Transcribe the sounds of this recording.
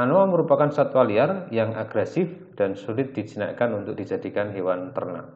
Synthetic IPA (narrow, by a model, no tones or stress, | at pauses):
anoaməɾupakansat̪waliarjaŋaɡ̥ɾɛsɪf | d̥ansulɪt̪̚d̥id͡ʒina̰kanunt̪ʊk̚d̥id͡ʒadikanɦewant̪ə̰rna̰ʔ